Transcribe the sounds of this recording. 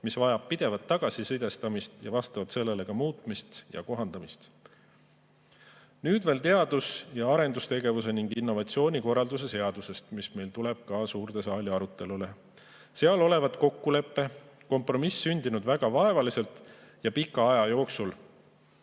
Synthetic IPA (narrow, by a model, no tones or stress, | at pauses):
misvɑjɑb̥̚pːid̪̥e̞vɑt̪ːɑɡ̥ɑsisɯjd̪e̞st̪ɑmist̪jɑvɑst̪ɑvɑt̪se̞lːe̞le̞kɑmuːt̪ˑmist̪jɑ̰ko̞ɦɑnd̪̥ɑmist̪ | nyːd̪ve̞ːlt̪e̞ɑd̪̥usjɑɑɾe̞nd̪ust̪e̞ɡe̞vus̬e̞niŋɡinːo̞vɑt̪sio̞ːnʲiko̞rːɑld̪us̬e̞se̞ɑd̪̥use̞st̪misme̞jlt̪ule̞b̥̚kɑsuːrt̪e̞sɑːliɑɾut̪ːˑe̞lule̞ | se̞ɑlo̞le̞vɑd̪ko̞kːule̞pːe̞ | ko̞mpro̞misːynʲd̪̥inud̪væɡ̥ɑvɑe̞vɑlise̞lt̪ | jɑpikːˑɑɑjɑjo̞ːksul